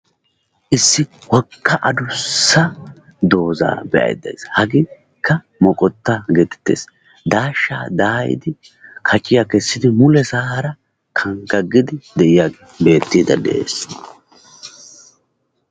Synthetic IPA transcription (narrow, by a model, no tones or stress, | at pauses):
ʔɪsːɪwɔkʰːɐʔɐd̪ʊsːɐ | d̪o̞ːza̰ːbɛʔɐ̰jd̪ɐ̰j̰shɐɡɪ | kːɐ | mɔkʼɔt̪ːaɡɛt̪ɛ̥t̪ːḛːs | d̪aːʃːa̰ːd̪aːjɪ̰d̪ɪ | kʰɐt͡ʃʼːɪjakɛsːɪd̪ɪmʊlɛzaːɾɐ | kʰɐŋɡɐɡːɪd̪ɪd̪ɛʔɪja | be̞ːt̪ːiːd̪ɐ̰d̪ɛ̰ʔḛːs